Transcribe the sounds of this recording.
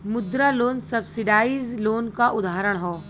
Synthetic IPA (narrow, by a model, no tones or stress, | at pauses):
mʊd̪ɾaloːnsɐbsɪɖaːizloːnkaʔʊd̪ʱaːɾəɽ̃ɦoː